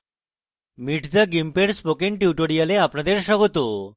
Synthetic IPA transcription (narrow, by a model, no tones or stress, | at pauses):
miʈʰd͡z̪əɡimpeɽspokiɳʈjiʈoɽijaleapɳãd̪eɾɕəɡt̪o